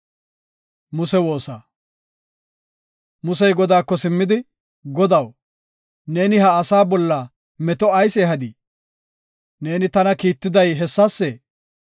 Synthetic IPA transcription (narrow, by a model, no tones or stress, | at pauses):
mʊsɛwo̞ːsaː | mʊs̬ɛjɡɔd̪aːkːɔsɪmːɪd̪ɪ | ɡɔd̪ɐw | ne̞ːnɪhɐːsaːbɔlːɐ | mɛt̪ɔɐjseːɦɐd̪iː | ne̞ːnɪt̪ɐnɐkiːt̪ːɪd̪ɐjɦɛsːɐsːɛ